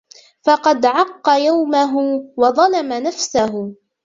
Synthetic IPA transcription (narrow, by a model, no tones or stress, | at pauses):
fɑqɑd̪ʕɑqːɑjawmaɦʊwɑðˤɑlamanafsaɦʊ